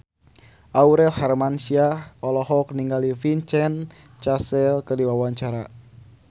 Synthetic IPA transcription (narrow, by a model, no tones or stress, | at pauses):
ʔauɾɛlharmansiaɔlɔɦɔk̚niŋɡalifiɲt͡ʃɛn | t͡ʃasɛlkərdiwawaɲt͡ʃaɾa